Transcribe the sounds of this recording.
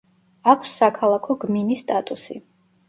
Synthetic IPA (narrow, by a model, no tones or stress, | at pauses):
akʷʰsːakʰalˠakʰɔɡminist̪ʼat̪ʼusḭ